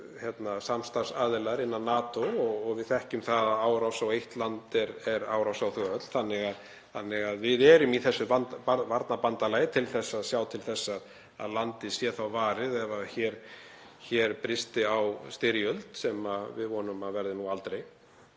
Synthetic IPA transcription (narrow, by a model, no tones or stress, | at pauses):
çjɛt̪nasamst̪aɾ̥saːðɪlaɾɪnːannːaːt̪oɔɣɔɣvɪðθɛhcʏmθaðaðaːwɾawsawejht̪lant̪ɛɾɛɾa̰ːwɾawsawθʏɣaœt̪l̥θanːɪɣað | θanːɪɣaðvɪðɛːɾʏmiθɛsːʏvanavaɾt̪napant̪alaːjɪt̪ʰɪlθɛsːaðsjaːwt̪ʰɪlθɛsːað | a̰ðlant̪ɪsjɛθawvaːɾɪðɛvaçɛːɾ̥ | çɛːɾpɾɪst̪ɪawst̪ɪɾjœlt̪sɛmavɪðvɔːnʏmaðvɛɾðɪnualt̪ɾej